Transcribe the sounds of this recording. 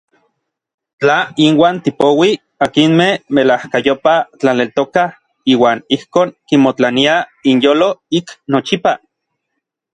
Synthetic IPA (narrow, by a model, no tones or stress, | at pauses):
t͡ɬainwaːnt̪ipowi | akinmehmelahkajopat͡ɬanelt̪oka | iːwaːnihkoːŋkimot͡ɬaniainjoːloiknot͡ʃipa